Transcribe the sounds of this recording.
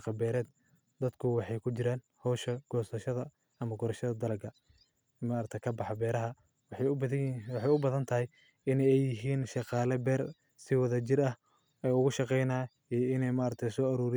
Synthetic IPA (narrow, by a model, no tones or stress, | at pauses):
qɐbɛːɾɛːd̪ | d̪ɐd̪kʰʊwɑħɑjkʰʊt͡ʃɪɾaːn | hɔːʃɐɡ̥ɔːsɐʃɐðɐ | ɐmɐɡɔɾɐʃɐðɐd̪ɐlɐɡɐ | maɾɐt̪ʰɐjkʰɐbɑħɑbɛːɾɐɦɐ | w | wɑħɑjʊbɐðɐnt̪ʰɐɦɪj | ɪnɛjɛjɪɦiːnʃɑqɑːlɐbɛːr | sɪwɐðɐt͡ʃɪɾɐh | ɛjʊɣʊʃɑqɛjnaː | ijɪnɛjmaːɾɐt̪ʰɐjsɔːɐɾuːɾɪ